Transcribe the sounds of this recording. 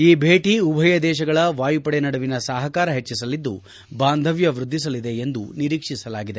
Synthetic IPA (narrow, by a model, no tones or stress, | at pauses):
iːbʱeːʈiubʱɐjɐd̪ɛːʃɐɡɐɭɐʋaːjupɐɽenɐɽɐʋinɐsaːɦɐkaːɾɐɦet͡ʃːisɐlid̪ːu | baːnd̪ʱɐʋjɐʋɾud̪ʱːisɐlid̪e̞end̪ṵniɾiːkʂisɐlaːɡid̪e̞